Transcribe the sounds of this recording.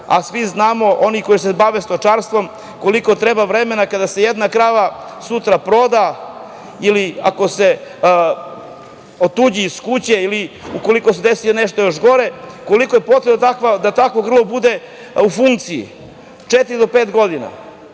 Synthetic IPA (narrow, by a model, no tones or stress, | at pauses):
a̰sʋiznaːmo̞ʔo̞niko̞jis̬ebaʋest̪o̞t͡ʂaɾst̪vʋo̞m | ko̞liko̞t̪ɾebavɾemenakad̪ase̞jed̪nakɾaʋa | sut̪ɾapɾo̞d̪a | iliako̞se̞ | ot̪ud͡ʑiːskut͡ɕeiliuko̞likosed̪esijoneʃt̪ojoʃɡo̞ɾe̞ko̞likojepot̪ɾet̪akʋad̪at̪akʋo̞ɡr̩lˠobud̪e̞ | ufuŋkt̪sijḭ | t͡ʂet̪iɾid̪o̞peːt̪ɡo̞d̪ina̰